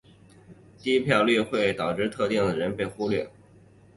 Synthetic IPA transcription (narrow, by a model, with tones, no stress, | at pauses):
t̪i˥˧i˥pʰjɑ˥˧ʊly˥˧xwe˥˩ɪt̪ɑ˨˩ʊʈ͡ʂɻ̩˥˧t̪ʰɤ˥˧t̪i˥˩ŋd̪ə˩ɻə˧˥npe˥˩ɪxu˥lɥɛ˥˩